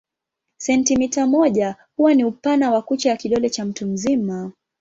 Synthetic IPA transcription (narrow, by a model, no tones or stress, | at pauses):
sɛntimitamɔʄahuwaniupanawakut͡ʃajakiɗɔlɛt͡ʃam̩tum̩zima